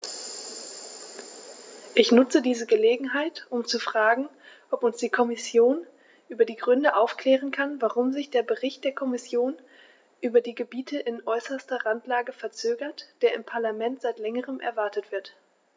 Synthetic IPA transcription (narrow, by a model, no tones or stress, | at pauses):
ʔɪçnʊt͡sədiːzəɡəleːɡŋ̩ɦaɪtʔʊmt͡sufʁ̥aːɡŋ̩ | ʔɔpʊnsd̥iːkʰɔmɪsjoːn | ʔyːbɐdiːɡʁʏndəʔaʊfklɛːʁ̞ənkʰanvaʁʊmzɪçd̥eːɐbəʁɪçt̚d̥eːɐkʰɔmɪsjoːn | ʔyːbɐdiːɡəbiːtʰəʔɪnʔɔʏsɐstɐʁantlaːɡəfɛɐt͡søːɡɐtd̥eːɐɪmpʰaɐlamɛntz̥aɪtlɛŋəʁəmʔɛ̰ɐvaɐtətv̥ɪɐt